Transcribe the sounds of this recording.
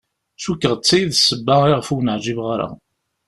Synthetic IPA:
sukːəʁt͡sːæjiðsəbːaiʁəfuwnəʕd͡ʒivʁaɾa̰

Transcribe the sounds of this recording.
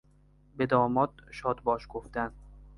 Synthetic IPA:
bed̪ɒːmɒːd̪̚ʃɒːd̪bɒːʃɡ̥oft̪æn

